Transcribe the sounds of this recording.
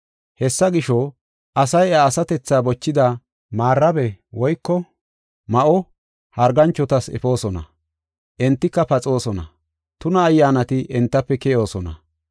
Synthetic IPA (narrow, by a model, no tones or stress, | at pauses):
hɛsːɐɡɪʃɔ | ʔɐsɐjaːsɐt̪ɛt͡sːaːbɔt͡ʃːɪd̪ɐ | maːrːɐbɛwɔjkːɔ | mɐʔɔ | hɐɾɡɐnt͡ʃːɔt̪ɐsɛ̰fo̞ːsɔnɐ̰ | ʔɛnt̪ːɪkːɐpɐt͡sʼo̞ːsɔnɐ̰ | t̪ʊnɐːjːaːnɐt̪ɪʔɛnt̪ːɐpːɛkɛjo̞ːsɔnɐ̰